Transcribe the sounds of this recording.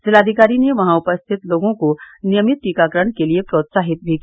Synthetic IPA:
d͡ʒɪlaːd̪ʱikaːɾineʋɐɦãʊpəst̪ʰɪt̪loːɡõkonɪjəmɪt̪̚ʈiːkaːkəɾəɽ̃keliepɾoːt̪saːɦɪt̪̚bʱiki

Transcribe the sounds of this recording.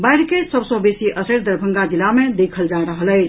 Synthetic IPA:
bajɾkesəbsə̃besiʔəsəɾd̪əɾbʱəŋɡad͡ʒilamed̪ekʰəld͡ʒaɾəɦələɪt͡ʃʰ

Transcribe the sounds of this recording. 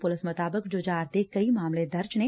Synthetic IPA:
pʊlɪsmʊt̪aːbəkd͡ʒʊd͡ʒaːɾt̪ekɐimaːmled̪ɐɾd͡ʒne

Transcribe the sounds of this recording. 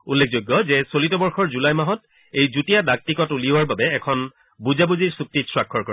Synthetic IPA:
ulːek̚ʰzojɡːɔzɛsolitɔbɔɹxʰɔɹzulajmaɦɔt | ejzutijadak̚tikɔtuliʊaɹbabɛːkʰɔn | buzabuziɹsuk̚titsɹakʰːɔɹkɔɹ

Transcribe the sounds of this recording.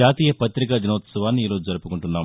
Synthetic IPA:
aːt̪iːjɐpɐt̪ɾikɐd̪inɐːt̪sɐʋaːnːiːɾo̞ːd͡ʒud͡ʒɐɾupukuɳʈunːaːm

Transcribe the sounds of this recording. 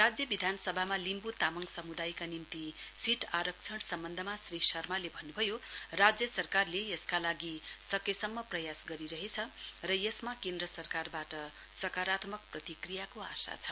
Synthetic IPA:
rad͡zjʌbid̪ʱansʌbʱamalimbut̪amʌŋɡsʌmud̪ajkanimt̪isiʈʰaɾʌk̚t͡sʰʌɽsʌmbʌnd̪ʱʌmasrisʌrmalebʱʌnːubʱʌjorad͡zjʌsʌrkarlejʌskalaɡisʌkesʌmːʌprʌjasɡʌɾiɾʌɦet͡sʰʌrʌjesmakẽnd̪rʌsʌrkarbaʈʌ | sʌkaɾat̪mʌk̚prʌt̪ikrijakoa̰sa̰t͡sʰʌ

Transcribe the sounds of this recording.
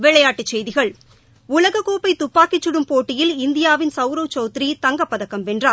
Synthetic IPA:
ʋɛɭɐjaːʈːɯt͡ʃːɛjðɪɣɐɭ | ʊlɐɣɐkoːpɐɪt̪ʊpːaːkɪt͡ʃːɯɽɯmpoːʈːɪjɪlɪnd̪ɪjaːʋɪnsɐʊɾoːt͡ʃoːt̪ɪɾit̪ɐŋɡɐpːɐðɐkːɐmʋɛndraː

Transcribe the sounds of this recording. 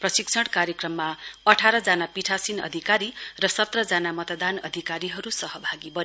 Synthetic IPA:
prʌsiksʰʌɽkaɾjekrʌmːaʌʈʰaɾʌd͡zanapiʈʰasinʌ̰d̪ʱikaɾirʌsʌt̪rʌd͡zanamʌt̪ʌd̪anʌ̰d̪ʱikaɾiɦʌɾusʌɦʌbʱaɡibʌ

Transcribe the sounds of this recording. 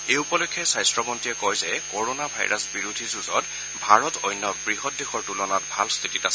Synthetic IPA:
eupɔlɔkʰːɛsajstɹɔmɔntiɛkɔjzɛkoɹonabʱa̰jɹʔasbiɹudʱizuzɔt | bʱaɹɔtɔjnːɔbɹiɦɔt̚dexɔɹtulɔnatbʱalst̪ʰititas

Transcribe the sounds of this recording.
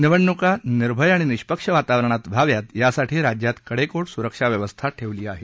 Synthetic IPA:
niʋəɳːukaniɾbʱəjaɽ̃iniɕpəkʂəʋat̪aʋɾəɳ̃at̪bʱaʋjat̪jasaʈʰiːɾad͡ʑjat̪kəɽekoʈsuɾəkʂaʋjəʋəst̪ʰaʈʰeʋliːaɦe

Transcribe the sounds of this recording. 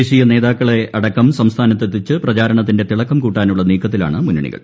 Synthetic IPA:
eːɕijɐne̞ːðaːkːɐɭe̞ɐɽɐkːɐmsɐmst̪ʰaːnɐt̪ːet̪ːit͡ɕːɨprɐt͡ɕaːɾɐɳɐt̪̬ːinde̞t̪iɭɐkːɐmkuːʈːaːnuɭːɐniːkːɐt̪ːila̰ːɳɨmunɐɳḭɣɐ̰ɭ

